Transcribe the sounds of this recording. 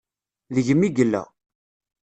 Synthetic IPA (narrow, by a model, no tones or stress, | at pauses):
ðəʝəmːiɡəlːæ̰